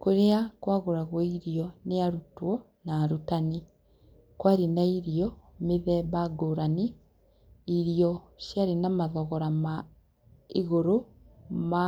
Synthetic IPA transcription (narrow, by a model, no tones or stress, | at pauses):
koɾeakwaɣoɾaɣwɔiɾiɔneaɾutwɔ | naːɾutani | kwaɾinaiɾiɔmeðɛβaɡoːɾaniː | ɾiɔʃjaɾinamaðɔɣɔɾama | iɣoɾo | ma